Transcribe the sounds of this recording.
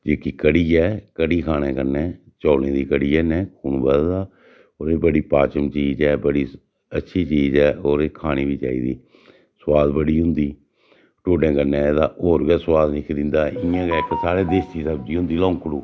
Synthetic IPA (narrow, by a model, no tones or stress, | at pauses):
d͡ʒeːkiːkəɽiːɛːkəɽiːkʰaːñẽːkəɾnɛː | t͡ʃɔːlẽːd̪iːkəɽiːɛːnɛ̃ːkʰuːnbəld̪aː | oːɾeːbəɽiːpaːt͡ʃəmt͡ʃiːd͡ʒɛːbəɽiː | ətːʃʰiːt͡ʃiːzɛːʔoːɾeːkʰaːɽ̃iːʋiːt͡ʃa̰ːḭːd̪iː | swaːd̪bəɽiːɦʊ̃nd̪iː | ʈoːɖɛ̃ːkəɾnɛːd̪aːʔoːɾɡaːswaːd̪nɪkʰd̪ɪ̃nd̪aːɪjãːɡɛːkəsaːɾeːd̪eːstiːsəb̚d͡ʒiːɦʊ̃nd̪iːlɔ̃ːŋkɽuː